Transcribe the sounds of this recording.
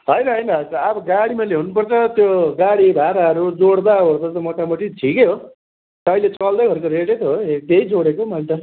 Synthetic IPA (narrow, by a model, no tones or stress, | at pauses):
ɦʌjɾʌɦʌjnakʌabʌɡaɽimʌleɦunupʌrt͡sʰʌt̪joɡaɽibʱaɾaʌɾud͡zoɽd̪aɦoɾt̪ʌt̪ʌmoʈamʌʈiʈʰikeɦo | t̪ʌjlet͡sʌld̪ʌjɦʌɾkoɾeʈet̪ʰɦoet̪ejd͡zoɽekomʌlt̪ʌ